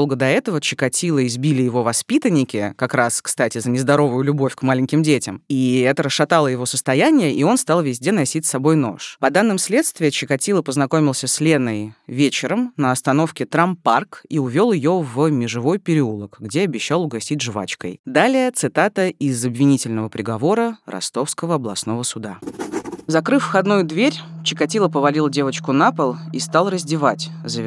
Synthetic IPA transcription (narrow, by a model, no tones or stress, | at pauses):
olˠɡəd̪ɐɛt̪əvət͡ɕɪ̥kɐtʲilˠəɪzbʲilʲɪjɪvo̞vɐspʲit̪ənʲːɪkʲɪkɐkɾaskst̪atʲɪzənʲɪzd̪ɐɾo̞vʊjʊlʲʊbo̞fʲkmalʲɪŋʲkʲɪmdʲetʲɪmiɛt̪əɾəsʂɐt̪alˠəjɪvo̞səst̪ɐjænʲɪjəʔio̞nst̪ɑlˠvʲɪzʲdʲenɐsʲitʲsːɐbo̞jno̞ʂpɐd̪anːɨmsʲlʲe̞t̪st̪vʲɪjət͡ɕɪkɐtʲilˠəpəznɐko̞mʲɪlˠsʲəsʲlʲenəjvʲet͡ɕɪɾəmnəɐst̪ɐn̪o̞fkʲɪt̪ɾamparkiʊvʲo̞lˠjɪjo̞vəmʲɪʐɨvo̞jpʲɪɾʲɪulˠəkɡdʲeɐbʲɪɕːalˠʊɡɐsʲitʲʐva̰t͡ɕkə̰jd̪alʲɪjət̪sɨt̪at̪əɪzəbvʲɪnʲitʲɪlʲnəvəpɾʲɪɡɐvo̞ɾəɾʔɐ̰st̪o̞fskəvəɐblˠɐ̰sno̞vəsʊd̪a | zɐkɾɨfːxɐd̪nujʊd̪vʲeɾʲt͡ɕɪkɐtʲilˠəpəvɐlʲilˠdʲe̞vət͡ɕkʊnapəlˠist̪alˠrəzʲdʲɪvatʲzə